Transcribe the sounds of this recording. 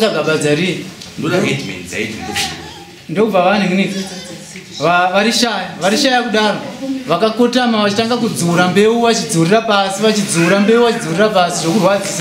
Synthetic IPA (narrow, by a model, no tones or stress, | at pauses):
kaɡʱaɓad͡zaɾijendoɗaŋedmḛnid͡za̰itimboʃi | ndokub͡vaʋan̤uni | ʋaʋaɾiʃaːjaʋaɾiʃajakuɗaːroʋakako̞tamaʋat͡ʃitaŋɡak̬ud͡zuuɾambe̞uʋat͡ʃid͡zuurirapasiʋat͡ʃid͡zuuɾambe̞uʋat͡ʃid͡zuurirapasiʐokurwad͡zisa